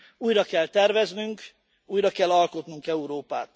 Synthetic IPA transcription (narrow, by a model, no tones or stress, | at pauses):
uːjrɒkɛlt̪ɛrvɛznyŋk | uːjɾɒkɛlːɒlko̞t̪nuŋkɛuɾoːpa̰ːt̪